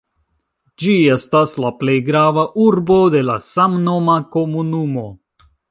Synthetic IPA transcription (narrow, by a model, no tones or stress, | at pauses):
d͡ʒie̞staslaple̞jɡɾavaʔuɾbo̞de̞la̰samno̞mako̞munumo̞